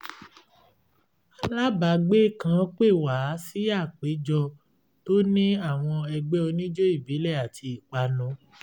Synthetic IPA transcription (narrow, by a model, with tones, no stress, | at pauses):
a˧˨la˦ba˨˦ɡ͡be˦˨kã˦˧˦k͡pe˦˨wa˨˦si˦a˦˨k͡pe˨˦d͡ʒɔ˧ | to˦nĩ˦a˦˨w̃ɔ̃˧ɛ˧ɡ͡be˦o˧nĩ˦d͡ʒo˦i˦˨bi˨˦lɛ˦˨a˨ti˧i˨k͡pa˨˦nɔ̃˨˦